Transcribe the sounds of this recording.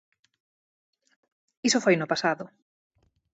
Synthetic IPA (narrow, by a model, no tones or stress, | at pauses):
isʊfojnʊpasaðʊ